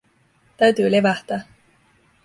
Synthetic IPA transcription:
t̪æɥt̪yːleʋæht̪æː

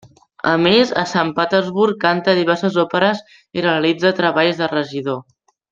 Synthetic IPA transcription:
əmezə̰sampət̪əzβuɾkːant̪əðiβɛɾsəzopəɾəz | ireəlid͡zət̪ɾəβaʎzðərəʒiðo

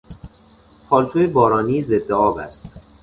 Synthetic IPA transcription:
pʰɒːlt̪ʰuebɒːɾɒːniːzed̪ːeɒːbæ̰st̪

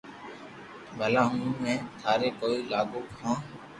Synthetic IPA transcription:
bʱəlaːɦũːmɛ̃ːt̪ʰaːɾeːkoːiːlaːɡoːkhãː

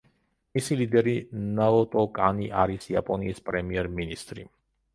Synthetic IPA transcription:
misilid̪ɛɾinaɔt̪ʼɔkʼaniʔaɾisia̰pʼɔnḭːspʼɾɛmiɛɾminist̪ʼɾi

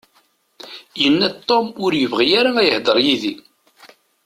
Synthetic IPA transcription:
jənːæt̪ˤːomʊɾjəvʁijaɾaæjəhd̪ˤəɾˤjiði

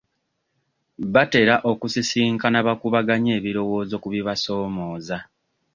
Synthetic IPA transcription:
βate̞ɾaʔo̞kusisiːŋkanaβakuβaɡaɲe̞ːβiɾo̞wo̞ːzo̞kuβiβaso̞ːmo̞ːza

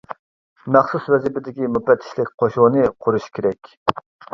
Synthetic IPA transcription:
mæχsuswɛzɪpɪd̪ɪkʲimupːɛt̪ʰːɪ̥ʃlɪkʲqʰoʃunɨqʰʊɾuʃkʲʰeɾɛkʲ

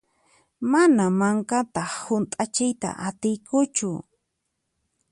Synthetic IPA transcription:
manamaŋkat̪ɑχhʊnt̪ʼat͡ʃɪjt̪a̰ʔat̪ɪjkʊt͡ʃʊ

